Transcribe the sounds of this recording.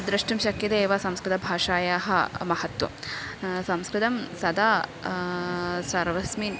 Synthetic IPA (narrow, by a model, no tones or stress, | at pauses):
d̪ɾɐʂʈɐmʃɐkjɐt̪eːʋasɐmskɾɪt̪ɐbʱaːʃaːjaːɦɐ̰mɐhɐt̪wɐ̰ | sɐmskɾɪt̪ɐmsɐd̪aː | sɐɾʋɐsmin